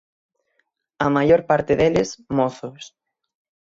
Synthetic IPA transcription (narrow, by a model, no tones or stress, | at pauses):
ɐmajoɾpaɾt̪ɪðelɪsmɔθʊs